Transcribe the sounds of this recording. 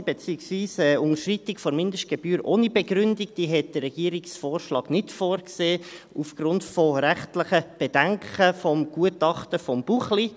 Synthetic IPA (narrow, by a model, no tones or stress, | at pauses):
b̥et͡siəksviːsɛːʊŋəʃritɪkfɔɾmɪndəʃt̚ɡ̥ɛb̥yːɾʔo̰ːnibɛɡɾʏndik̚d̥iːɦɛt̚d̥ərɛɡ̥iəɾiksfoːɾʃlɑːɡnɪtfoːɾkseː | ufɡ̥rʊntfɔɾæχtləχəb̥ed̥æŋkəfɔmɡ̥uətɑχtəfɔmb̥uχli